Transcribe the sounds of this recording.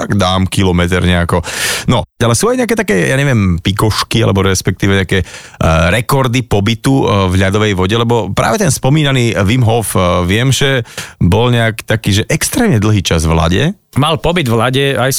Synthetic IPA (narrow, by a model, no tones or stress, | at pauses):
t̪aɡd̪aːmkilɔmɛt̪ɛɾɲɛakɔnɔalɛsuːajɲɛak̬ɛːt̪akɛːjaːɲɛʋɪɛmpikɔʃkia̰lɛ̰bɔɾɛspɛk̚t̪iːʋɛɲɛakɛː | ɾɛkɔɾd̪ipɔbit̪uvʎad̪ɔʋɛjʋɔɟɛlɛbɔpɾa̰ːʋɛt̪ɛnspɔmiːnaniːʋimɦɔfʋɪɛmʒɛbɔlɲɛakt̪akiːʒɛʔɛkst̪ɾɛːmɲɛd̪l̩ˠɦiːt͡ʃazʋla̰ɟɛ̰ | malpɔbid̪vlaɟɛajs